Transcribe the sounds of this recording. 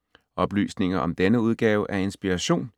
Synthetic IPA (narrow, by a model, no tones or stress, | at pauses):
ʔɒ̽b̥ly̰ːsne̝ŋɐʔɒ̽md̥enəuð̞ˠɡ̥ɛːʊʔæɐe̝nsb̥iʁɑɕo̝̰ːn